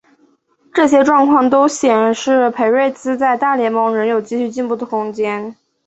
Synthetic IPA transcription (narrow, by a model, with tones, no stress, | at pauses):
ʈ͡ʂɤ˥˩ɕ̬jɛ˥ʈ͡ʂwɑ˥˧ŋkʰwɑ˥˩ŋt̪o˥ʊɕjɛ˨˩nʂɻ̩˥˩pʰe˧˥ɪwe˥˩ɪt͡sɹ̩˥t͡sa˥˧ɪt̪a˥˩ljɛ˧˥nmɤ˧˥ŋɻə˧˥njo˨˩ʊt͡ɕi˥˧ɕy˥˧t͡ɕi˥˧npu˥˩d̪ə˩kʊ˥ŋt͡ɕjɛ˥n